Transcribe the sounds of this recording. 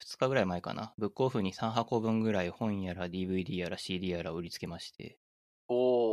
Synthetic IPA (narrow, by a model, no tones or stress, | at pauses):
ɸɯ̥t͡sɨ̥kaɡɯ̟ɾaimaeka̰na̰bɯ̟kːo̞ːɸɯ̟ːɲ̟isãɰ̃ɦako̞bɯ̟̃ŋɡɯ̟ɾaiohõ̞jaɾad̪ʲiːbɯ̟id̪iːaɾaɕiːd̪iːaɾaɯ̟ɾʲit͡sɨ̥ke̞maɕi̥t̪e̞̰ | o